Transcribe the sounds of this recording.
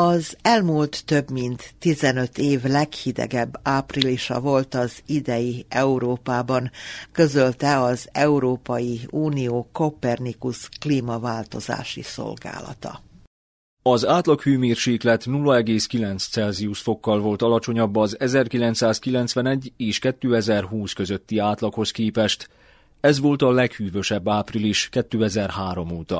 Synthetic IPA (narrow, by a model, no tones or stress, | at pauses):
ɒzɛlmuːlt̪ːø̞bmint̪ːizɛnø̞t̪ʰeːvlɛkhid̪ɛ̰ɡɛbːaːpriliʃɒ̰vo̞lt̪ɒzid̪ɛjiɛuɾoːpaːbɒŋkø̞zø̞lt̪ɛɒzɛuɾoːpɒjiuːnijoːko̞pɛrnikuskliːmɒvaːlt̪o̞za̰ːʃḭso̰lɡa̰ːlɒ̰t̪ɒ̰ | ɒzaːt̪lɒkhyːmeːrʃeːklɛt̪nulːɒɛɡeːskilɛnt̪st̪sɛlziusfo̞kːɒlvo̞lt̪ɒlɒt͡ʃo̞ɲɒbːɒzɛzɛrkilɛnt̪saːskilɛnt̪sʋɛnɛɟːeːʃkɛt̪ːøːɛzɛrɦuːskø̞zøt̪ːiaːt̪lɒkho̞skeːpɛʃt̪ | ɛzʋo̞lt̪ɒlɛkhyːvø̞ʃɛbːaːpriliʃkɛt̪ːøːɛzɛrhaːɾo̞moːt̪ɒ̰